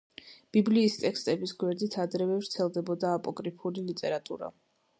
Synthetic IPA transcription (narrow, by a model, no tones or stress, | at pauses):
b̥ibliːst̪ʼɛkst̪ʼɛbisɡwɛɾd̪it̪ʰad̪ɾɛvɛvɾt̪sʰɛlˠd̪ɛbɔd̪aːpʼɔɡʼɾipʰulilit̪ʼɛɾat̪ʼṵɾa̰